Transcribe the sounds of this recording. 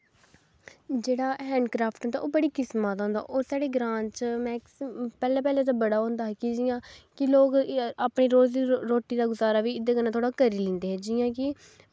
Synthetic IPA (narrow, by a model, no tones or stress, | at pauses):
d͡ʒeːɽaːɦɛ̃ːɳɖkɾaːpʰʈʊnt̪a̰ːoːbəɽiːkɪsmaːt̪õːnd̪a̰ːʔoːsaːɽeːɡɾãːnt͡ʃmɛ̃ːkspɛːlɛːpɛːlẽːt̪̬ãːbəɽaːɦõːnd̪aːɦɛkɪd͡ʒɪjãːkɪloːkaːpɳiːɾoːzɾoːʈːiːd̪aːɡʊzaːɾaːʋiːɪd̪eːkənãːt̪ʰoːɽaːkəɾiːlɪ̃ːnd̪eːɦɛːd͡ʒɪjãːkɪ